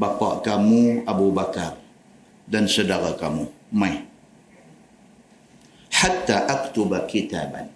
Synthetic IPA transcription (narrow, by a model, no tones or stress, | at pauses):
bapa̰ʔkamuʔabubakar | dansadakakamu | maj | ħat̪ːaːʔakt̪ʊbakit̪aːba̰n